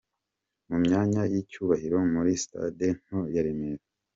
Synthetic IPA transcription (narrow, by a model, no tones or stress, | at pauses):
mumɲaːɲajicuːβahiɾo̞muɾisi̥ta̰den̥hojaɾimeɾa